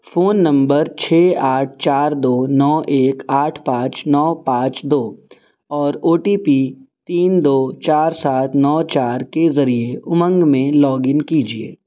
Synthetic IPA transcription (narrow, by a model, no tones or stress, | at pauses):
foːnːɐ̃mbəɾt͡ʃʰeːaːʈ̚ʰt͡ʃaːɾd̪oːnɔːʔeːkaːʈʰpãːt͡ʃnɔːpãːt͡ʃd̪oː | ɔːɾoːʈiːpit̪iːnd̪oːt͡ʃaːɾsaːt̪ʰnɔːt͡ʃaːɾkezɐɾieʊmə̃ŋɡmẽlɔːɡɪnkiːd͡ʒiḛː